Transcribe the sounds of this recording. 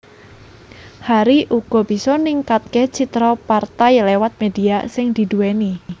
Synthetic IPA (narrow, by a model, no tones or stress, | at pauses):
haɾiʔuɡ̥ɔ̤b̥i̤sɔniŋkat̪̚ket͡ʃit̪ɾɔpart̪ajlewat̪̚mediasɪŋd̪̥i̤dueni